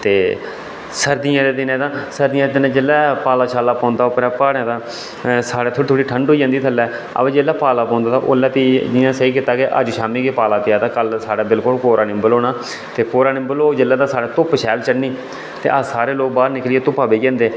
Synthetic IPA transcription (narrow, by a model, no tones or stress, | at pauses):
t̪eː | səɾd̪iãːd̪eːd̪ɪnẽːt̪ãːsəɾd̪ɪãd̪eːd̪ɪnẽːd͡ʒelːɛːpaːlaːʃaːlaːpɔ̃ːnd̪aːʊpɾɛːpaːɽãːt̪ãː | saːɽeːt̪ʰoːɽiːt̪ʰoːɽiːʈʰəɳɖɦoiːãːnd̪iːt̪ʰəlːɛːə̰beːd͡ʒelːɛːpaːlaːpɔ̃ːnd̪aːt̪ãʔo̰ːlːɛːp̪id͡ʒɪãːsəiːkɪt̪ːaːkeʔə̰d͡ʒʃaːmiːkeːpaːlaːt̪ɪjaːt̪aːkəlsaːɽaːbɪlkʊlkoːɾaːnɪ̃mbəloːnaː | t̪eːkoːɾaːnɪ̃mbəloːd͡ʒelːɛːt̪aːsaːɽeːt̪ʊpʃʰɛːlt͡ʃəɽniː | t̪ḛːʔasaːɾeːloːk̚baːɾnɪklieːt̪ʊpaːbeːɡãːnd̪eː